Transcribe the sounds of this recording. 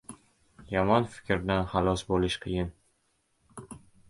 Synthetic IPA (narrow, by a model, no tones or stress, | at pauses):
jɒmɒnfɪ̥kʲɾd̪anχalˠɒsbolɪʃqʰɨjɪn